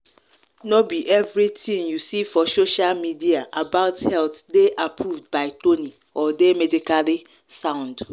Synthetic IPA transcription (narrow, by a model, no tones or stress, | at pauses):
nobiʔɛvɾitʰĩŋjusifɔsoʃalmidiaʔabaʊthɛltdeʔapʰɹuvdbaɪtʰoni | ɔdemɛdikali | sãʊ̃nd